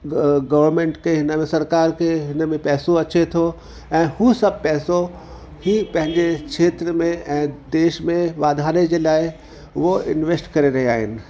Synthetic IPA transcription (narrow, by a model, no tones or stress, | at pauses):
ɡɐʋəɾmẽːɳʈkʰeɦɪnəmẽsɐɾkaːɾkʰeɦɪnəmẽpɛːsoɐt͡ɕet̪ʰo | ɛ̃ːhusɐb̚pɛːso | ɦipɐ̃ɦɪ̃ɲd͡ʑekʃeːt̪ɾəmẽʔɛ̃ːd̪eːʃmẽʋaːd̪ʱaːɾed͡ʑeːlaːɪ | ʋoɪ̰nʋeːsʈkɐɾeɾɐɦea̰ːɦɪnɪ̆